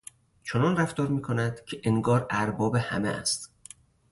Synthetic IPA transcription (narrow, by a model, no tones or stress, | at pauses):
t͡ʃʰonɒːnræft̪ɒːɾmiːkʰonæd̪̥cʰeʔeŋɡɒːɾæɾbɒːbe̞hæ̰mḛʔæ̰st̪